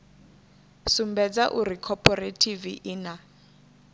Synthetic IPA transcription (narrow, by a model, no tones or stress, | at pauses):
sumbɛd͡zaʔuɾikʰɔpʰɔretʰiviʔina